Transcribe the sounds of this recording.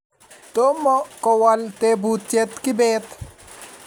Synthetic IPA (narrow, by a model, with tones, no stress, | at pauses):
t̪o˦mːɔ˦kɔ˨wɔ˨lt̪ebut̪t͡ʃe˦t̪kɪ˦beːt̪